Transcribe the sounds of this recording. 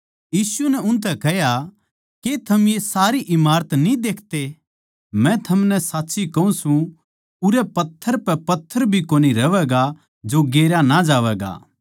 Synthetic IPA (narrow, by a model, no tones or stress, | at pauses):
jiːsunɛʊnt̪ɛkɐɦja | ket̪ʰɐmjesaːɾiʔɪmaːɾət̪nĩd̪eːkʰt̪e | mɛ̃t̪ʰɐmnɛsaːtːsikɐũsũ | ʊɾɛpɐt̪ʰːəɾpɛpɐt̪ʰːəɾbʱikoːniɾɐʋɛːɡa | d͡ʒoɡeːɾjanad͡ʒaːʋɛːɡa̰ː